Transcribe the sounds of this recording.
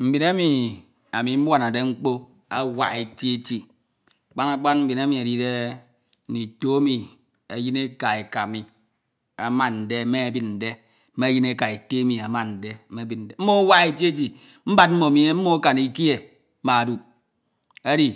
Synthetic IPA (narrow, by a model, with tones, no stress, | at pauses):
m̩˨bi˨na˦mi˨ | a˨mi˨m̩˦wa˨na˨de˦ŋ͡m̩˦k͡po˦ | a˦wa̰˨e˨ti˦e˦ti˦˨ | k͡pa˦na˦k͡pa˦nm̩˦bi˨na˦mi˨a˨di˨de˦˨ | ni˨to˦a˦mi˨ | a˨ji˦ne˦ka˨e˨ka˨mi˨ | a˨ma˦nn̩˨de˦me˦a˨bi˦tn̩˨de˦ | me˦ji˦ne˦ka˨e˨te˦mi˨a˨ma˦˨nn̩˨de˦me˦bi˨t̚n̩˨de˦m̩˦mo˦a˦wa˦e˦ti˦e˦t̬i˨ | m̩˦ba˦t̚m̩˦mo˨mi˦e˦m̩˦mo˦ka˨ni˦ki˦e˨˦ | ma˨du˨k̚ | a˦di˦